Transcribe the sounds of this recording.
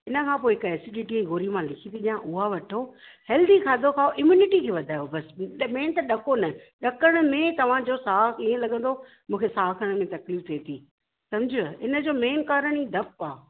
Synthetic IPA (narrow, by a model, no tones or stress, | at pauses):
ɪnə̆kʰãːpoːiɦɪkɛːsɪɖɪʈiɛ̃ɡoːɾimãlɪkʰit̪ʰiɗijãʔʊɦaʋɐʈʰohɛːld̪ikʰaːd̪okʰaːoʔɪmjuːnɪʈikʰeːʋɐd̪ʱaːjobɐsmeːñt̪ɐɗɐkʰonɐ | ɗɐkəɽ̃ʊ̆mẽt̪ɐʋ̤ãd͡ʑoːsaːkiə̃lɐɠə̃n̆d̪o | mũːkʰesaːkʰəɽ̃mẽt̪ɐkliːft̪ʰeːt̪ʰiː | sɐ̃md͡ʑʱɪɪnə̆d͡ʑoːmeːnkaːɾəɽ̃id̪ʱɐfaː